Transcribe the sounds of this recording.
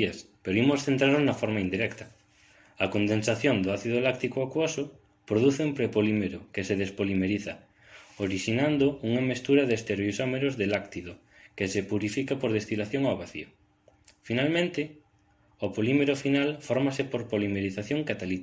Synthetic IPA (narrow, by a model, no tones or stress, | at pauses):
as | peɾoimʊsθent̪ɾaɾnoznɐfɔɾmaind̪iɾɛkt̪ɐ | ɐkond̪ensaθjond̪ʊaθiðolak̚t̪ikoakwosʊ | pɾoðuθeumpɾepolimeɾʊkeseðespolimeɾiθɐ | oɾiʃinand̪ʊuŋɐmest̪uɾɐðest̪eɾisomeɾʊzðelakt̪iðo | kɪsepuɾifikapoɾðest̪ilaθjoŋaoβaθḭo | finalmẽnt̪ɪ | opolimeɾofinalfɔɾmasɪpoɾpolimeɾiθaθjoŋkat̪alit̪